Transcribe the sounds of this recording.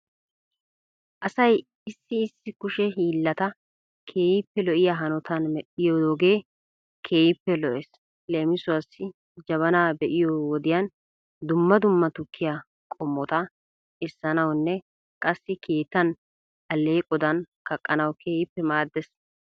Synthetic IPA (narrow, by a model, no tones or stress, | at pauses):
ʔɐsɐj | ɪsːɪːsːɪkʊʃɛɦiːlːɐt̪ɐ | kʰe̞ːjɪpːɛlɔʔɪjaɦɐnɔt̪ɐnmɛɗɪjɔoːɡe̞ː | kʰe̞ːjɪpːɛlɔʔes | le̞ːmɪsʊwɐsːɪ | d͡ʒɐβɐnaːbɛʔɪjɔwɔd̪ɪjan | d̪ʊmːɐd̪ʊmːɐt̪ʊkːɪja | kʼɔmːɔt̪ɐ | ɪsːɐnɐwnːɛ | kʼɐsːɪkʰe̞ːt̪ːɐn | ɐlːe̞ːkʼɔd̪ɐn | kɐkʼːɐnɐwkʰeːjɪpːɛmaːd̪ːɛs